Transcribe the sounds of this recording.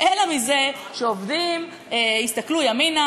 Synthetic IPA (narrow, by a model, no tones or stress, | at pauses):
ʔelamize | ʃeovdim | eist̪aklujamina